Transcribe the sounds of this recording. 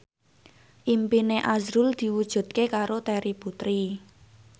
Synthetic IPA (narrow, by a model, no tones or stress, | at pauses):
ʔimpineʔazɾuld̪̥i̤wud̥ʒ̥ṳd̪̥̚kekaɾot̪ɛɾiput̪ɾi